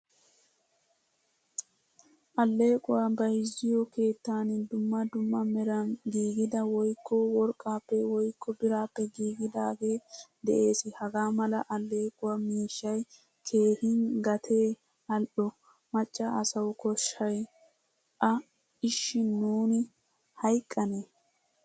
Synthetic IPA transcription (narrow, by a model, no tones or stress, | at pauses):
ʔɐlːe̞ːkʼʊwabɐjɪzɪjɔke̞ːt̪ːaːnɪd̪ʊmːɐd̪ʊmːɐmɛɾɐnɡiːɡɪd̪ɐwɔjkːɔwɔɾkʼːaːpːɛwɔjkːɔbɪɾaːpːɛɡiːɡɪd̪aːɡe̞ːd̪ɛʔe̞ːsɪhɐɡaːmɐlɐʔɐlːe̞ːkʼʊwɐmiːʃːɐj | kʰe̞ːhɪŋɡɐt̪ʰe̞ː | ɐlɗɔ | mɐt͡ʃʼːɐɐsɐwʊkɔʃːɐj | ʔɐ | ɪʃːɪnuːnɪ | hɐjkʼːɐne